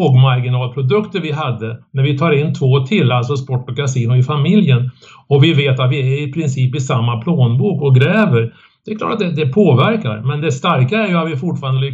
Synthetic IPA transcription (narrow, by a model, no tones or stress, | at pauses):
oːɡmaɾɡɪnɑːlpʰɾʊd̪ɵkt̪əɾvɪɦad̪ːənæɾvɪt̪ʰɑːɾɪnːt̪ʰvoːt̪ʰɪlːalsɔspɔʈːɔkasiːnɔɪfamɪljən | ɔvɪveːt̪at̪vɪæɾɪpʰɾɪnsiːpɪsamːapʰloːnbuːkɔɡɾɛːvəɾ | d̪ɛkʰlɑ̰ːʈːat̪̚d̪ɛd̪ɛpʰoːvæɾka̰ɾmɛnd̪ɛst̪aɾkaæɾjɵat̪vɪfʊʈfɑːɾand̪əlʏ